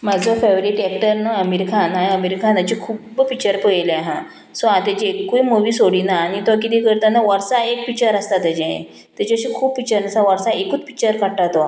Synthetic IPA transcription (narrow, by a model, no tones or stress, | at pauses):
mad͡zʱɔfeʋɾiʈɛk̚ʈəɾnəəmeɾikʰanaəmeɾikanat͡ɕikʰuːbpik̚t͡ɕəɾpəjlaɦã | sɔãt̪at͡ɕiekːuimoʋiːsoɽinaːñit̪akit̪ikəɾt̪anaʋəɾsaek̚pik̚t͡ɕəɾəst̪at̪ːad͡ʑɛ̰̃ | t̪at͡ɕiəɕikʰuːbpik̚t͡ɕəɾnasãʋəɾsaekuːt͡spi̥k̚t͡ɕəɾkaʈat̪ɔ